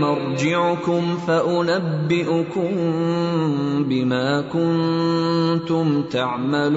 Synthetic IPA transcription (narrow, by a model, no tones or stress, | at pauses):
mɑɾˤd͡ʒɪʕkʊmfaʔʊnabːɪʔʊkʊm | bɪmaːkʊn | t̪ʊmt̪aʕmal